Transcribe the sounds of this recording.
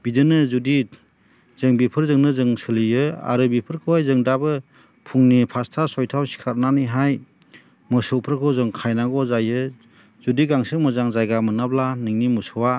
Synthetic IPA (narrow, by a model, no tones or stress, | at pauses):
b̥idɯnɯzudi | z̥ɯŋbipʰɯɾzɯŋnɯzɯŋsɯlijɯa̰ɾɯbipʰɯɾkʰɯwajzɯŋdabɯ | pʰuŋnipʰastʰasɔjtʰawsi̥kʰaɾnaniɦaj | mɯsɯwpʰɾɯkʰɯwzɯŋkʰajnaɡɔzajɯ | zudiɡaŋsɯŋmɯzaŋzajɡamɯnablaniŋnimusɯwa